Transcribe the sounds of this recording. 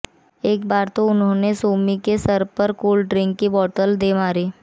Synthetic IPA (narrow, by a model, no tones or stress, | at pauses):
eːkbaːɾt̪oʊnɦõːnesoːmikesɐɾpɐɾkuːlɖɾɪ̃ŋkːibɔːʈəld̪emaːɾiː